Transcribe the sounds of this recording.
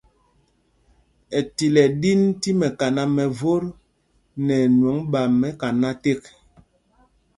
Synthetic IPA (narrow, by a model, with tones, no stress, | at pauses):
ɛ˨ti˨lɛ˨di˦nti˦mɛ˨ka˨na˦mɛ˨vo˦ɾ | nɛ˨nwɔ˨˦ŋɓa˨mːɛ˦ka˨na˦te˦k